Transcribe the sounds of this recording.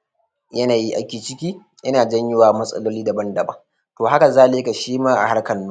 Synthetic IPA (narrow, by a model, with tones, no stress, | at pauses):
jɐ˦naː˨ji˦ʔa̰˦kʲiː˨t͡ʃɪ˦kʲiː˦ | jɐ˦naː˨d͡ʒɐ˦ɲjɪ˦waː˨mɐ˦sʼɐ̰˦loː˦liː˦da˨bɐ˦ndɐ˨bɐ˦ŋ | toː˨ɦa˦ka˨zaː˦leː˦ka˨ʃiː˦maː˦ʔa̰˨ha˦kɐ˨nːuː˦